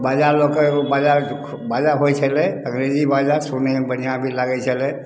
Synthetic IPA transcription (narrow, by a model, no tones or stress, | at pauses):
bad͡ʒaɾlokəbad͡ʒaɾ | bad͡ʒaɦot͡ʃʰɛlɛə̃ŋɾed͡ʒibad͡ʒasonebən̤ijãbʱilaɡɛt͡ʃʰɛlɛ